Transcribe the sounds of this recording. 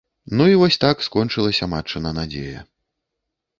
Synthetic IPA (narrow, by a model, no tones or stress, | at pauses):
nuivɔsʲt̪akskɔnt͡ʂɨlˠɐsʲɐmat͡ʂɨnɐnad͡zʲḛjɐ̰